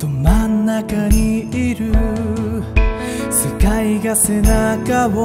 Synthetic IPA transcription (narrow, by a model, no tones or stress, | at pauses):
t̪omanːakaɲ̟iiɾɯ̟ | sekaiɡase̞nakaβo